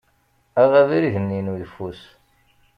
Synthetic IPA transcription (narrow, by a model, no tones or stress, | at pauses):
æʁæviɾiʝənːinujəfus